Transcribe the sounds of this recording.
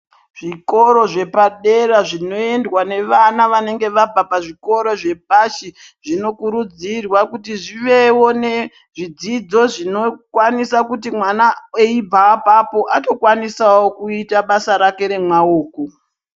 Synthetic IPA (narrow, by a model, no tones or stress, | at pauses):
ʐ̥iko̞ɾo̞ʐe̞paɗe̞ɾaʐino̞e̞ndwane̞ʋanaʋane̞ŋɡe̞ʋabʱapaʐiko̞ɾo̞ʐe̞paʃi | ʐino̞kuɾud͡zirwakutiʐiʋe̞wone̞ | ʐid͡zid͡zo̞ʐino̞kwanisakutimwanaeibʱapapo̞ʔato̞kwanisawokuitaɓasaɾake̞ɾe̞mwaoːko